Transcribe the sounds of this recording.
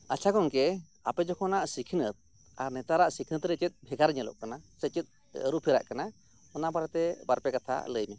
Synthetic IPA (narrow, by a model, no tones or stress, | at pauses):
at͡ʃʰakɔŋkɛ | apɛd͡ʒɔkʰɔnaʔsikʰinət̪̚ | aɾnɛt̪aɾaʔsikʰinət̪ɾɛt͡ʃət̪̚ˀbʱɛɡaɾɲəlɔ̰ʔkanasət͡ʃət̪̚ | əɾupʰiɾa̰ʔkana | ɔnabaɾat̪ɛbaɾpɛkat̪ʰa̰ləjmɛ